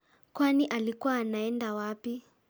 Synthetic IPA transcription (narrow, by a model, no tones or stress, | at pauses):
kwaniʔalikwaːnaɛndawapi